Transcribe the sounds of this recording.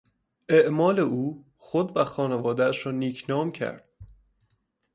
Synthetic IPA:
ʔeʔmɒːle̞uː | xod̪væxɒːnevɒːd̪ææʃɾɒːniːcʰnɒːmcʰæ̰ɾd̪̥

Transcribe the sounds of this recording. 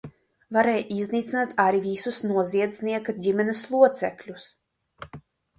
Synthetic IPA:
vaɾɛjʔizniːt̪sinat̪ʰaɾivisusnuɔziɛd̪zʲniɛkad̪ʲimʲɛnɛslˠuɔt̪sɛklʲus

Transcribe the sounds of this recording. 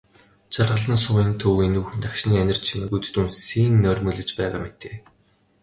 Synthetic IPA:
t͡ɕarʁə̆ɮə̆nsʊːiːnt̪ʰɵwenuːxɘ̆nt̪akʃniːænʲɪ̆r̥t͡ɕʰinɘ̆ɡut̪ɘ̥̆t̪unsiːŋnœːrʲmɵɮɘ̆t͡ɕpæːʁa̰ːmet̪eː

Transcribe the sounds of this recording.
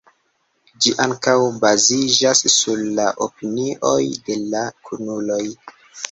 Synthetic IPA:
d͡ʒiʔaŋkawbazid͡ʒasːuɾlaʔopiniʔo̞̰jde̞lakʰunuloj

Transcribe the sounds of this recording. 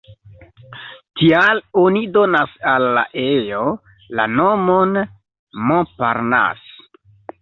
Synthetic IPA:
tialonido̞nasalːa̰ʔejo | lanomon | mɔ̃pa̰ɾna̰s

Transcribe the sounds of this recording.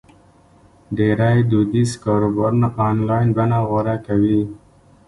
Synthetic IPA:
ɖeɾajd̪ud̪iskoɾoboɾnaʔanlajnbanaɣoɾakawi

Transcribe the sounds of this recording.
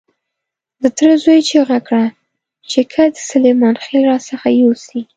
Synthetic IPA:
d̪ət̪ɾəzojt͡ʃeɣakɽa | t͡ʃekʰad̪əsʊlemɑnxelɾɑsəxajosi

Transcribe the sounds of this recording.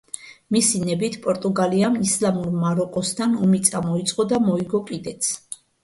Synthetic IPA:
misinɛbit̪ʰpʼɔɾt̪ʼuɡaliamislamuɾmaɾɔkʼɔst̪ʰanɔmit̪sʼamɔit̪sʼqʼɔd̪amɔiɡɔkʼid̪ɛt̪s

